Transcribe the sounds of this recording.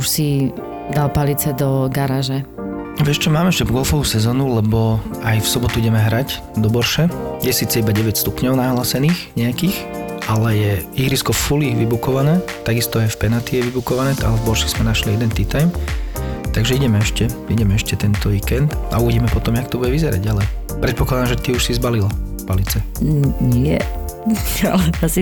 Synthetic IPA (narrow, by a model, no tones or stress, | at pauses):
uʃsi | d̪alpalit͡sɛd̪ɔɡaɾaʒɛ | aʋɪɛʃt͡ʃɔmaːmɛɛʃcɛvɡɔlfɔʋusɛzɔːnulɛbɔajfsɔbɔt̪uiɟɛmɛɦɾaɟ | d̪ɔbɔɾʃɛjɛsiːt͡sɛibaɟɛʋɛcst̪upɲɔʊnaɦlaːsɛniːxɲɛakiːxʔalɛjɛiɾiskɔfuliʋibukɔʋanɛːt̪aɡist̪ɔajfpɛnat̪ijɛʋibukɔʋanɛːaɛvbɔɾʃɛsmɛnaʃliɛd̪ɛnt̪it̪ajm | t̪aɡʒɛiɟɛmɛɛʃcɛiɟɛmɛɛʃcɛt̪ɛnt̪ɔʋiːkɛnd̪auʋiɟimɛpɔt̪ɔmjakt̪ɔbuɟɛʋizɛɾa̰ɟalɛ | pɾɛt̪̚pɔklad̪amʒɛt̪iuʃsizbalilafpalit͡sɛɲɛ̰ | a̰lɛt̪asi